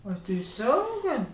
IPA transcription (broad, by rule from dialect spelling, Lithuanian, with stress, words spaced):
ɐ tʲɛɪˈsʲoːŋɡɜ